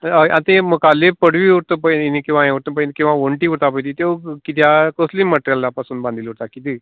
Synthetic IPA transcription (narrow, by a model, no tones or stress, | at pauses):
əʔãnt̪eməkalepəɽʋiuɾt̪əpəinikĩw̃ʋãẽuɾt̪ə̃pəjnkĩw̃ʋãʋoɳʈiuɾt̪apəjt̪it̪ekit̪̬jakosliməʈɾjalːapasuːnbãnd̪ʱiluɾt̪akit̪i